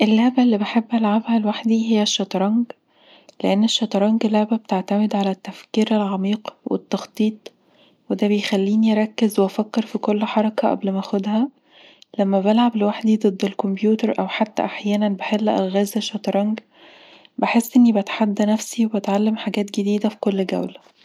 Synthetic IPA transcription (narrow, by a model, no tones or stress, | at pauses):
ʔelːæʕbælːibeħebːʔælʕabhælwaħd̪iɦejːæʃːɑt̪ˤɾˤɑŋɡ | leʔenːeʃːɑt̪ˤɾˤɑŋɡlːæʕbæbet̪eʕt̪æmed̪ʕalæt̪ːæfkiːɾelʕɑmiːqwḛt̪ːɑxt̪ˤiːt̪ˤ | wed̪æbejxælːiːniʔɾˤɑkːezweʔæfækːeɾfikolːħɑɾˤɑkɑʔæ̰blmæxod̪hæ | læmːæbælʕablwaħd̪id̪ˤɨd̪ːelkombjuːt̪eɾʔæwħat̪ːæ̰ʔaħjæːnænbeħelːʔæ̰lɣæːzeʃːɑt̪ˤɾˤɑŋɡ | beħesːʔenːibæt̪ħad̪ːnæfsiwebæt̪ʕalːemħaɡæːt̪ɡed̪iːd̪æfi̥kolːɡæ̰wlæ